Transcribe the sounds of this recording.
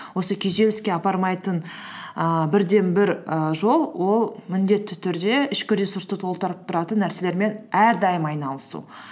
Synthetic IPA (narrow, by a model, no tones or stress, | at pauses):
wo̞səkʲʰejʒe̞lɪskʲe̞ɑpɑɾmɑjt̪ən | əbɪɾd̪e̞nbɪɾəʒo̞lˠwo̞lˠmɪnd̪e̞t̪ːɪt̪ʰʏɾd̪e̞ɪʃkʲɪɾʲesuɾst̪ət̪ʰo̞lˠt̪ɑɾəp̚t̪ʰʊɾɑt̪ənːæɾse̞le̞ɾme̞næɾd̪ɑjəmɑjnɑlˠəsṵ